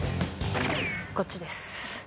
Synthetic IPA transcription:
kot̚t͡ɕid̪es

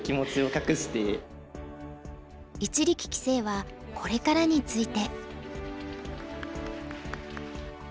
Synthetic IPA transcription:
kʲimo̞t͡sɨo̞kakɯ̟ɕi̥t̪e | it͡ɕiɾʲikʲi̥kʲi̥se̞ːβa | kʰo̞ɾe̞kaɾaɲ̟it͡sɨit̪e̞

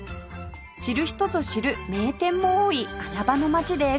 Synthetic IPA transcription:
ɕiɾɯ̟çi̥t̪o̞t͡soɕiɾɯ̟me̞ːt̪ẽ̞mːo̞oːiaɾabano̞mat͡ɕid̪e̞s

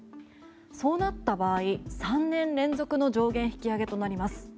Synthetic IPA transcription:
so̞ːnat̪ːabaːisãnːẽ̞nɾẽ̞nzo̞kɯ̟no̞ʑo̞ːɡẽ̞ɰ̃çi̥kʲiaɡe̞t̪o̞naɾʲimasɨ̥

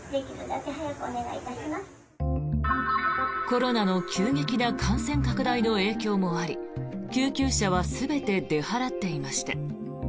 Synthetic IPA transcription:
d̪e̞kʲid̪ɯd̪ake̞ɦajakɯ̟one̞ɡait̪aɕimasɨ̥ | ko̞ɾo̞nano̞kʲʰɨːɡe̞kʲinakʰãɰ̃sẽ̞ŋkakɯ̟d̪aino̞e̞ːkʲo̞ːmo̞aɾʲḭkʲɨːkʲɨːɕaβ̞asɨbe̞t̪e̞d̪e̞haɾat̪ːe̞imaɕi̥t̪a

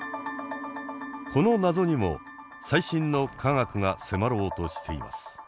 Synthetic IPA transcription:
kʰo̞no̞nazo̞ɲ̟imo̞̰ | saiɕĩnːo̞kʰaŋakɯ̟ŋase̞maɾo̞ːt̪o̞ɕi̥t̪ʰe̞ḭmʔa̰sɨ̥

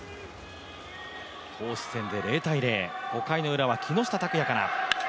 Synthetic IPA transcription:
kʰo̞ːɕi̥sẽ̞nd̪e̞ɾe̞ːt̪aiɾe̞ːho̞kainoɯ̟ɾaβakʲʰino̞ɕi̥t̪at̪akɯjakaɾa̰

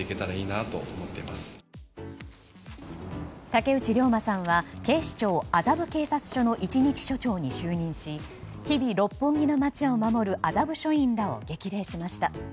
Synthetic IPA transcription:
ike̞t̪aɾaiːnat̪o̞̰ʔomot̪ːe̞̰imasɨ̥ | t̪ake̞ɯ̟t͡ɕiɾʲo̞ːmasãɰ̃βake̞ːɕi̥t͡ɕo̞ːazabɯ̟ke̞ːsat͡sɨ̥ɕo̞no̞ʔit͡ɕiɲ̟it͡ɕi̥ɕo̞t͡ɕo̞ːɲ̟iɕɨːɲ̟ĩɰ̃ɕi | çibʲiɾo̞pːɨ̃ŋɡino̞mat͡ɕiaomamo̞ɾɯ̟ʔazabɯ̟ɕo̞ĩnd̪ao̞̰ɡe̞kʲiɾe̞ːɕimaɕi̥t̪a

